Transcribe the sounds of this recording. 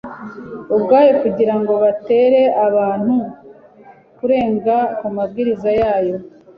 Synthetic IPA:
ubɡaːjokuɟiɾaŋɡo̞βate̞ːɾe̞aβaːn̥hu | kuɾe̞ːŋɡakumab̚ɡiːɾizajaːjo̞

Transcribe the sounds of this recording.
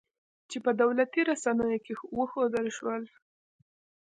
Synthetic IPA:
t͡ʃepəd̪awlat̪iɾasanəjokewəxod̪əlʃwəl

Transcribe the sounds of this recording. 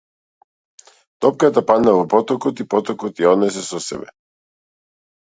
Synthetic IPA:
t̪ɔp̚kat̪apad̪navɔpɔt̪ɔkɔt̪ipɔt̪ɔkɔt̪jaɔd̪nɛsɛsɔsɛ̰bɛ̰

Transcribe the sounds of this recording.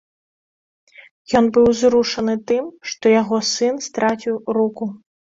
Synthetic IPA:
jɔnbɨwzɾuʂɐnɨt̪ɨmʂt̪ɔjaɣɔsɨnst̪ɾat͡sʲiwɾuku

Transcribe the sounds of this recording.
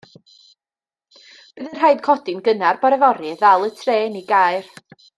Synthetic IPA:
b̥ɨðən̥ajd̥kʰɔd̥ɪnɡənarbɔɾɛvɔɾɨðalˠətʰreːniɡajr

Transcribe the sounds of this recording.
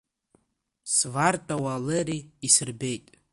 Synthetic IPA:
svartʼawaleɾiːsɨrbe̞jtʼ

